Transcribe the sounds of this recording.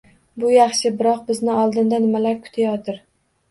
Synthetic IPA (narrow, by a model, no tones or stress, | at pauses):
bʊjaχʃɪbɪɾɒq̚bɪznɪɒlˠd̪ɪnd̪anɪmalaɾkʰʊ̥t̪ʰajɒt̪ʰɪɾ